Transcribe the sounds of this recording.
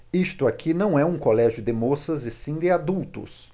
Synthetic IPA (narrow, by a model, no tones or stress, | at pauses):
ist̪ʊakʰinɐ̃w̃ɛũkolɛʒjʊd̪ɪmosɐzɪsĩd̪ɪad̪uwt̪ʊ̰s